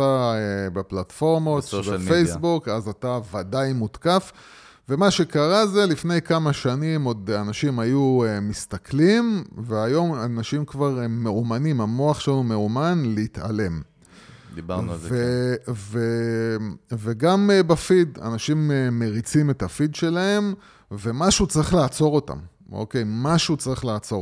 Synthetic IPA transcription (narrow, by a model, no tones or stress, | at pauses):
aebeplatfo̞ʁmotʃbeejbukazatavadajmutkaf | ve̞maʃe̞kaʁaze̞lifne̞jkamaʃanimo̞danaʃimajuemist̪aklimveajo̞manaʃimkvaʁmeumanimamo̞aχʃelanume̞umanleit̪a̰le̞m | d̪ibaʁnuazveve | veɡambafid̪a̰naʃimeme̞ʁit͡sime̞t̪afid̪ʃe̞lae̞m | ve̞maʃut͡saʁiχlaːt͡so̞ʁo̞ta̰m | o̰ke̞jmaʃut͡saʁiχlaːt͡so̞